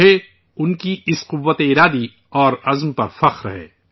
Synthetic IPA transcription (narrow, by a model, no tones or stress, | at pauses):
e | ʊnkiɪsqʊʋːət̪eɪɾaːd̪i | ɔːɾɐzmpɐɾfɐxɾɐ̰ɦḛː